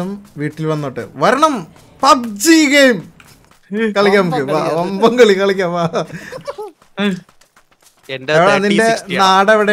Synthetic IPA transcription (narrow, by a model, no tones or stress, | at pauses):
umʋiːʈːilʋɐnːoːʈːɨ̰ʋɐɾɐɳɐm | pɐt̚d͡ʑiɡejum | kɐɭikʲːaːmkːɨaʋɐmbɐŋɡɐɭikɐɭikʲːaːmʋaː | endɐʋɐðinde̞naːɽeʋiɽe